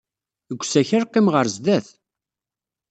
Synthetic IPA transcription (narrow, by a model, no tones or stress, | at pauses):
əɡʷːsæçəɾqːimʁəɾzd̪æθ